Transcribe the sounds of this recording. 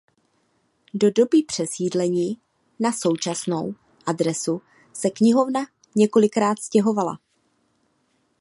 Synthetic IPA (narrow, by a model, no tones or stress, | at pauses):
do̞do̞bɪpr̝̥ɛsiːdlɛɲiː | naso̞wt͡ʃasno̞w | ʔadɾɛsu | sɛkɲɪɦo̞vna | ɲɛko̞lɪkɾaːt̪scɛɦo̞vala̰